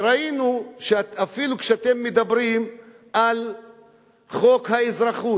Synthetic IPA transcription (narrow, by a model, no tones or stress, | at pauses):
ɾainuʃeafilukʃeat̪e̞mːed̪abɾim | al | χo̞khaezɾaχu